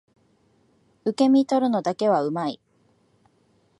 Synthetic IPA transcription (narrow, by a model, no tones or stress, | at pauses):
ɯ̟ke̞mʲit̪o̞ɾɯ̟no̞d̪ake̞β̞aɯ̟mai